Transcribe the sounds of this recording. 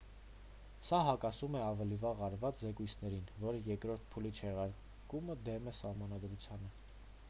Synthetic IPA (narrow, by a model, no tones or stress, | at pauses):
sɑɦɑkɑsumɛɑvɛlivɑʁɑɾvɑt͡szɛkujt͡sʰnɛɾinvɔɾəjɛkɾɔɾt̪̚ʰpʰulit͡ʃʰɛʁɑɾ | kuməd̪ɛmɛsɑhmɑnɑd̪ɾut͡sʰjɑnə